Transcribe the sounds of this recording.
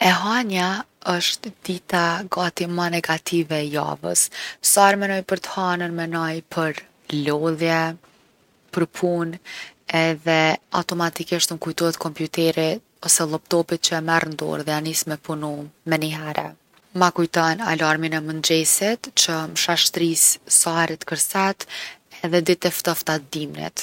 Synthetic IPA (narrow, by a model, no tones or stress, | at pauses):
ɛɦaɲaəʃt̪d̪̥it̪aɡat̪imanɛɡat̪ʰivɛja̰və̰ssaɾmɛnɔjpəɾt̪ə̥hanənmɛnɔjpʰəɾ | lɔlˠjɛ | pəɾpʰunɛðɛa̰wt̪ɔmat̪ikiʃt̪məkujt̪ɔhɛt̪kɔmpjut̪ɛɾi | ɔsɛlˠɔpt̪ɔpit̪̚t͡ɕəɛmɛrnd̪ɔ̰ɾðɛanismɛpunumɛniɦɛɾʔɛ̰ | makujt̪ɔna̰laɾminɛmənd͡ʑɛsit̪t͡ɕəmʃaʃt̪ɾisːaɾit̪kəɾsɛt̪ɛðɛd̪it̪ɛft̪ɔft̪at̪d̪imnḭt̪